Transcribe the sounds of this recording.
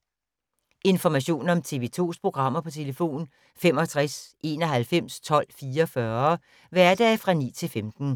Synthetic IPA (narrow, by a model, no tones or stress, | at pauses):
e̝nfɒmæɕo̝̰ːnɒ̽mt͡sʰe̝ʋe̝ːt͡sʰo̝̰ːspʰʁo̝ɡ̥ʁɑ̈m̰ɐpʰɒ̽t͡sʰe̝ləfo̝̰ːn | fem̰ɒ̽t͡sʰʁasʔe̝ːnɒ̽ɦælfem̰st͡sʰɒ̽l̰fiːɐɒfɶɐ | ʋæɐd̥ɛfʁɑ̈nḭːt͡sʰe̝lfemd̥n̩